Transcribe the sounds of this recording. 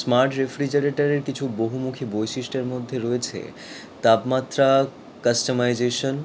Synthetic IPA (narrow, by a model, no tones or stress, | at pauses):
smaɾʈɾefɾid͡ʑeɾeʈaɾeɾkit͡ɕʰuboɦumukʰibojʃiʃʈeɾmod̪ʱːeɾɔet͡ɕʰḛ | t̪apmat̪ːɾa | kasʈomajd͡ʑeʃon